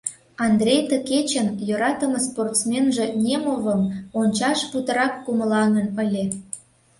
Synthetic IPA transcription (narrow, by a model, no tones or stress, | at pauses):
ɑnd̪rʲejt̪əket͡ɕənjøɾɑt̪əməsport̪smʲenʒĕnʲemovəmonʲt͡ɕɑʃput̪ə̆ɾɑkːuməlɑŋənəlʲe